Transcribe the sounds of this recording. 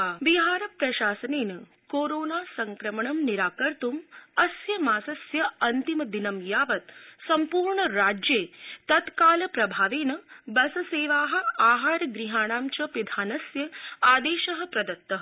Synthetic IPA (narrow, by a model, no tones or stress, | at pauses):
biɦaːɾɐpɾɐʃaːsɐneːnɐ | koːɾoːnaːsɐŋkɾɐmɐɳɐmniɾaːkɐɾt̪umɐsjɐmaːsɐsjɐɐnt̪imɐd̪inɐmjaːʋɐt̪sɐmpuːɾɳɐɾaːd͡ʒjeːt̪ɐt̪kaːlɐpɾɐbʱaːʋeːnɐbɐsɐseːʋaːɦɐ̆aːɦaːɾɡɾiɦaːɳaːmt͡ʃɐpid̪ʱaːnɐsjɐaːd̪eːʃɐɦɐ̆pɾɐd̪ɐt̪ːɐɦ